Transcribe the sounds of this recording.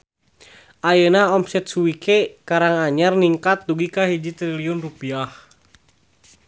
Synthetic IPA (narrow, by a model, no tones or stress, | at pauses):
ʔajənaɔmsɛt̪̚suwikʰekaɾaŋaɲarniŋkat̪̚duɡikaɦid͡ʒit̪ɾiliunrupiah